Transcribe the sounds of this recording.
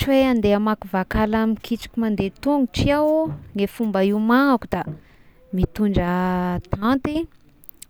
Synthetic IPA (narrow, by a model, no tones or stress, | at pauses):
ʈ͡ʂiweand̪eamakuvakalamikiʈ͡ʂi̥kʲimand̪et̪uŋuʈ͡ʂiawŋefumbəimaŋakud̪̥a | mit̪uɳɖ͡ʐət̪ant̪i